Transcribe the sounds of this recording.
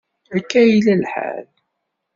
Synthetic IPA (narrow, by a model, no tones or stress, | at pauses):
əkːæjlælħa̰l